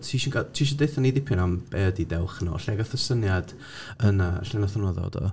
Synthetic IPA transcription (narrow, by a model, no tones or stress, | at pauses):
tʰiːʃɪnɡatʰiːʃ̬indeθanidɪpʰɪnamb̥ɛdidɛlˠχənɔ̰ɬɛɡaθəsənjad̥ | əna̰ɬɛnaθanɔðɔ̰dɔ̰